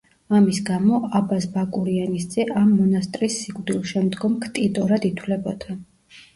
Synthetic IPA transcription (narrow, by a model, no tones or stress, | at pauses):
amisɡamɔabasbakʼuɾianisd̪zɛʔamːɔnast̪ʼɾisːikʼvd̪ilˠʃɛmd̪ɡɔmkʰt̪ʼid̪ʼɔɾad̪it̪ʰlɛbɔd̪̥a